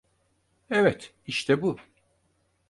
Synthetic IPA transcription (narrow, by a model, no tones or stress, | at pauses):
ɛvɛt̪ | iʃt̪ʰɛbu